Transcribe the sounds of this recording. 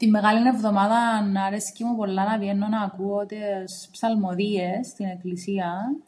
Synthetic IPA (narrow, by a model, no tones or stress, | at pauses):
t̪imːe̞ɣɐline̞vðo̞mɐðɐnɐɾesi̥cimupo̞lːɐnɐvjenːonɐːkuoot̪ispsɐlmo̞ðiest̪ine̞klisiɐ